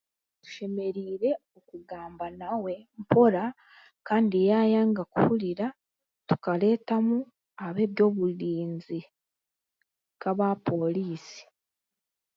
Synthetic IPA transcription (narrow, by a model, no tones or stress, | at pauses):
tu̥ʃe̞me̞ɾiːɾe̞okuɡaːmbanawe̞mpo̞ɾa | kaːndijaːjaːŋɡakṵhuɾiɾa | tu̥kaɾe̞ːtamu | aβe̞ːβjo̞ːβuɾiːnzi | kaβapo̞liːsi̥